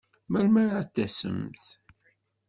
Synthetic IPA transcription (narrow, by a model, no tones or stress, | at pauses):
mælmæɾt̪ːæsə̰mθ